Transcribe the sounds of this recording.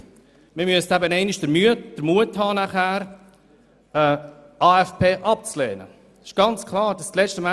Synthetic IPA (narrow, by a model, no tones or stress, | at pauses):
mɪmyəstæbənɛɪnɪʃd̥əɾmyəd̥əɾmuəthɑːnæχæːɾ | ɛː | ɑːɛfpeːʔɑp̚t͡slɛːnə̰ | ɪ̥ʃɡ̥ɑnt͡skʰlˠɑːɾd̥ɑst̪lɛt͡ʃʃtəmæ